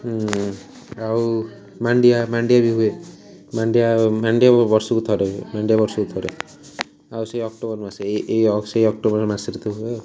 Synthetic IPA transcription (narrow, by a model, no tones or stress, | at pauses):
aw | maɳɖijamaɳɖijabiɦue | maɳɖijamaɳɖijabɔɾsɔkut̪ʰɔɾemaɳɖijabɔɾsɔkut̪ʰɔɾḛ | awsejɔk̚ʈobɔɾmaseʔejsejɔk̚ʈobɔɾmasiɾit̪uɦue